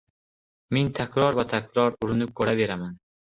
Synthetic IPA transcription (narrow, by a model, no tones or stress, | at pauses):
me̞nt̪ʰakʰʲɾɒɾvat̪ʰakʰʲɾɒɾʊɾɪnʊp̚kʰɵɾave̞ɾaman